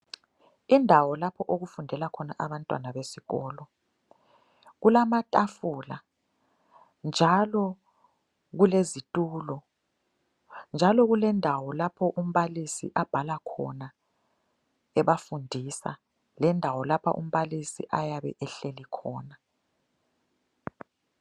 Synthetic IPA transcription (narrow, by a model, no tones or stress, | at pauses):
indʱawɔlapʰɔʔoɣufundʱɛlakʰɔnaʔaβantʼwa̰naβesiɣɔːlɔ | ɣulamatʼafuːla | nd͡ʒʱalɔ | ɣulezitʼuːlɔ | nd͡ʒʱalɔɣulɛndʱawɔlapʰɔʔum̩βalisḭʔab̥ʱalakʰɔ̰na | ɛβafundʱisa̰ | lɛndʱawɔlapʰa̰ʔṵm̩βalisḭʔajaβɛ̰ʔɛɬelikʰɔ̰ːna